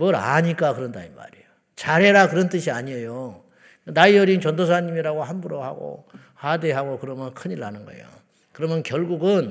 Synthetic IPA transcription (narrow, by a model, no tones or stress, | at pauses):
mʌɾa̰ɲik͈akɯɾʌndaima̰ɾejo | t͡ɕaɾe̞ɾakɯɾʌnt͈ɯɕʰiaɲiejo | naiʌɾint͡ɕʌndosʰaɲimiɾaɡoɦanbuɾoha̰ɡo̰ | hadeɦaɡokɯɾʌmjʌnkʰɯɲiɾːanɯnɡʌ̰ḛjo̰ | kɯɾʌmjʌnkjʌɭɡuɡɯn